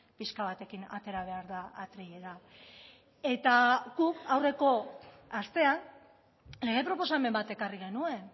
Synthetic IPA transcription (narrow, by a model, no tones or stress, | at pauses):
piskaβ̞at̪e̞kina̰t̪e̞ɾaβ̞e̞aɾðaat̪ɾiʎeða | e̞t̪aɣukawre̞ko̞ | ast̪e̞an | le̞ɣe̞pɾo̞po̞same̞mbat̪e̞kariɣe̞nue̞n